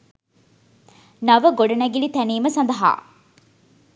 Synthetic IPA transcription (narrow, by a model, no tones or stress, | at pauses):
nɐʋəɡoɖɐnæɡilit̪æniːmɐsɐnd̪ɐɦa̰ː